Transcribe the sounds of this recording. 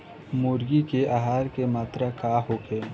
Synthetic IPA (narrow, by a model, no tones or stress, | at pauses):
mʊɾɡikeʔaɦaːɾkemaːt̪ɾakaːɦoːkeː